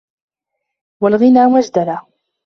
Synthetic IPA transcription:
walɣɪnaːmad͡ʒd̪ala

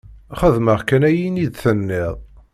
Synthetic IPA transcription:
χəðməʁkænæjinid̪θənːɪðˤ

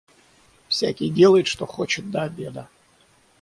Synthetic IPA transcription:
fsʲakʲijdʲelˠəjɪt̪ʂt̪o̞xot͡ɕɪt̪̚d̪ɐabʲed̪ə

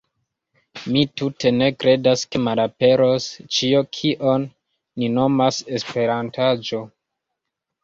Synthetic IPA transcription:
mitute̞ne̞kɾe̞daske̞maɾape̞ɾost͡ʃiokʰiʔo̞nː | ino̞mase̞spe̞ɾantad͡ʒo̞

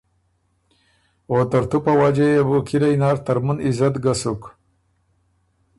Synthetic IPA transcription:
oːt̪aɾt̪upawad͡ʒejebukʰiɾajnaːɾt̪aɾmunizat̪ɡasuk

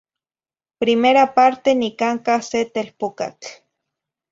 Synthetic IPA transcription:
pɾimeɾapaɾt̪enikaŋkaset̪elpoka̰k

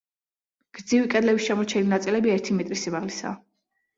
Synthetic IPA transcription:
ɡ̥ɾd̪zivikʼɛd̪lɛbisʃamɔɾt͡ʃʰɛninat̪sʼilɛbiɛɾt̪ʰimɛt̪ʼɾisimaʁlisa̰ː

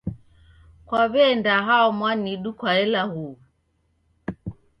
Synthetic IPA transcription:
kwaβɛndaɦaɔmwaniɗukwaɛlahu

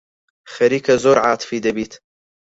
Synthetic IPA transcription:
xɐɾiːkɐzoɾʕaːt̪fid̪ɐbiːt̪

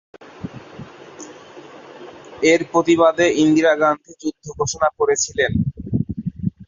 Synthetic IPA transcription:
eɾpɾot̪iβad̪eind̪iɾaɡant̪ʰed͡ʑud̪ʱːoɡʱoʃonakoɾet͡ɕʰilen

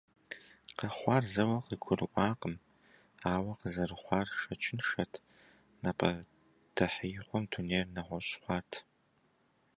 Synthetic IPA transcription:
qɐχʷɑːrzɐwɐqəɡʷʰʊrɨʔʷɑːqəm | aːwɐqəzɐrɨχʷɑːrʃɐt͡ʃʰɪnʂɐtʰ | nɐpʰʼɐ | d̥ʰɐħəjχʷɔmtʰuneːrnɐʁʷɔɕχʷɑːtʰ

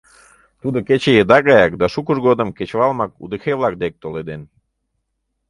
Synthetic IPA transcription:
t̪ud̪oket͡ɕejed̪ɑɣɑjɑkd̪ɑʃukəʒɣod̪əmket͡ɕβɑlmɑkṵd̪exeβlɑk̚d̪ek̚t̪oled̪en

